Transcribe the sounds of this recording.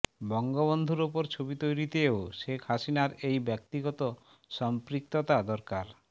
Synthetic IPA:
bɔŋɡoβond̪ʱuɾupoɾt͡ɕʰobit̪ojɾit̪eoʃekʰhasinaɾejbɛk̚t̪iɡɔt̪o | ʃɔmpɾik̚t̪ot̪ad̪ɔɾkaɾ

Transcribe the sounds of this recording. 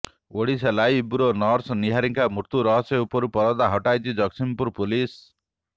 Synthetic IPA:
oɽiselajibuɾonɔɾsniɦaɾiŋkamuɾt̪uɾʌɦɔseupɔɾupɔɾɔd̪aɦɔʈajd͡ʒid͡ʒʌksinpuɾpulis

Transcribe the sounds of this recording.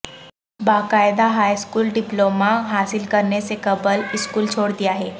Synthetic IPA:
baːkaːɪd̪aɦaːjskuːlɖɪploːmaɦaːsɪlkɐɾnesekɐbəlɪskuːlt͡ʃʰoːɽd̪ijaɦɛː

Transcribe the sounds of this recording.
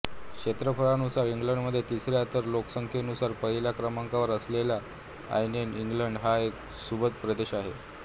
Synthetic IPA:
kʂet̪ɾəfəɭanusaɾiŋɡləɳɖməd̪ʱːjet̪isɾjat̪əɾloksəŋkʰjənusaɾpəɦilakɾəmaŋkaʋəɾəslela | a̰jneniŋɡləɳɖɦaek | subət̪pɾəd̪eɕaɦe

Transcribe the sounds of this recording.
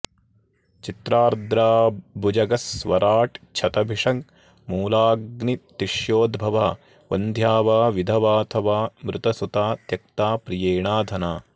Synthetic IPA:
t͡ʃit̪ɾaːɾd̪ɾaːbʱud͡ʒɐɡɐsʋɐɾaːʈt͡ʃʰɐt̪ɐbʱiʂɐŋ | muːlaːɡnit̪iʃjoːd̪bʱɐʋaː | ʋɐ̰nd̪ʱjaːʋaːʋid̪ʱɐʋaːt̪ʰɐʋaːmɾɪt̪ɐsut̪aːt̪jɐk̚t̪aːpɾijeːɳaːd̪ʱɐnaː

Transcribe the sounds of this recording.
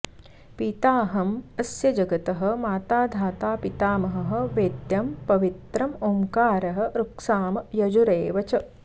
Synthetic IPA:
pit̪aːɦɐmɐsjɐd͡ʒɐɡɐt̪ɐɦɐ̆maːt̪aːd̪ʱaːt̪aːpit̪aːmɐɦɐ̆ɦɐ̆ʋeːd̪jɐmpɐʋit̪ɾɐmomkaːɾɐɦɐ̆ɾuksaːmɐjɐd͡ʒuɾeːʋɐt͡ʃɐ

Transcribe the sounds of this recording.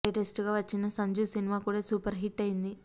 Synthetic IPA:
ɐʈesʈɡaːʋɐt͡ʃːinɐsɐɲd͡ʒuːsinimaːkuːɽaːsuːpɐɾɦiʈːɐjind̪i

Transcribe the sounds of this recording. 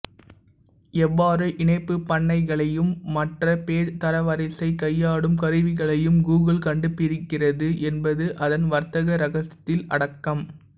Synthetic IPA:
ɛʋːaːɾɯʔɪɳɐɪpːɯpːɐɳːɐɪɣɐɭɐjɯmːɐʈrɐpeːɾt̪ɐɾɐʋɐɾɐɪsɐɪkɐjːaːɽɯmkɐɾɯʋɪɣɐɭɐjɯmɡuːɣɐlkɐɳɖɯpɪɾɪkːɪrɐðɯʔɛnbɐðɯʔɐðɐnʋɐɾt̪ɐɣɐɾɐɣɐsɐt̪ːɪlɐ̰ɽɐkːɐm

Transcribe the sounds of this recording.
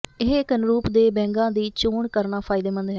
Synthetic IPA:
ɪɦkənɾuːpd̪eːbɛ̃ːŋɡãːd̪iːt͡ʃuːɳkəɾnaːpʰaːɪd̪eːmə̃nd̪ɦɛ

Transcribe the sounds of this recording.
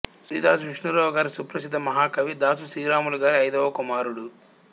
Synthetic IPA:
sɾḭːd̪aːs̬uʋiʂnuɾɐːʋɐɡaːɾisupɾɐsid̪ːɐmɐɦaːkɐʋid̪aːsusiːɾaːmuluɡaːɾiɐjd̪ɐːʋɐkumaːɾuɽu

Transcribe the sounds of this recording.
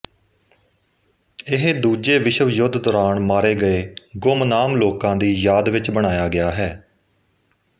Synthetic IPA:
ɪɦd̪uːd͡ʒeːʋɪʃəʋjʊd̪d̪ɔːɾaːɳmaːɾeːɡəeːɡʊmnaːmloːkãːd̪iːjaːd̪ʋɪt͡ʃbəɽ̃aːjaːɡɪaːɦɛː

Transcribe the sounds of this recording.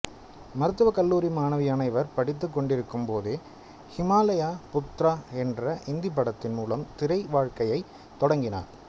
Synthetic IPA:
mɐɾɯt̪ːɯʋɐkɐlːuːɾimaːnɐʋɪjɐnɐɪʋɐɾpɐɽɪt̪ːɯkːɔɳɖɪɾɯkːɯmpoːðɯː | hɪmaːlɐjaːpʊt̪ːɾaːɛndrɐʔɪnd̪ɪp̬ːɐɽɐt̪ːɪnmuːlɐmt̪ɪɾɐɪʋaːɻkɐjɐɪ | t̪ːɔɽɐŋɡɪna̰ːɾ

